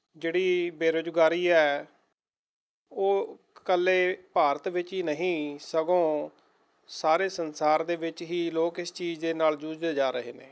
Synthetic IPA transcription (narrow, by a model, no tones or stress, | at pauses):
d͡ʒeːɽiːbeːɾoːd͡ʒɡaːɾiːɛː | oː | kəlːeːpaːɾət̪ʋɪt͡ʃɦiːnəɦĩːsəɡõː | saːɾeːsənsaːɾd̪eːʋɪt͡ʃɦiːloːkɪst͡ʃiːd͡ʒd̪eːnaːld͡ʒuːd͡ʒd̪eːd͡ʒaːɾəɦḛːnḛː